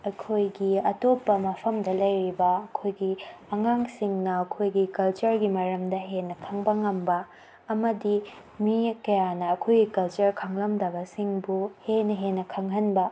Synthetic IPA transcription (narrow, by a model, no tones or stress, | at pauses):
ɐkʰojɡiɐtopːɐmɐpʰɐmdɐlɐjɾibɐɐkʰojɡiɐŋaŋsiŋnɐːkʰojɡikɐlt͡ʃɐɾɡimɐɾɐmdɐɦenːɐkʰɐŋbɐŋɐmbɐː | mɐdi | mikɐjanɐːkʰojɡikɐlt͡ʃɐɾkʰɐŋlɐmdɐbɐsiŋbuhenɐɦenːɐkʰɐŋɦɐnbɐ